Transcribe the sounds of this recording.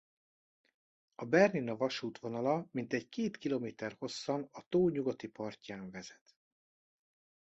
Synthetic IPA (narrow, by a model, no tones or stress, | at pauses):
ɒbɛrninɒvɒʃuːt̪ʋo̞nɒlɒmint̪ɛɟkeːt̪kilomeːt̪ɛrho̞sːɒnɒt̪oːɲuɡot̪ipɒrcaːɱvɛz̥ɛ̥t̪